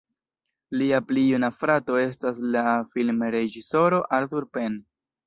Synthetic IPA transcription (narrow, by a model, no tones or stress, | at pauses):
liaplijunafɾato̞e̞s̬tas̬lafilmɾe̞d͡ʒiso̞ɾo̞ʔalt̪uɾpe̞n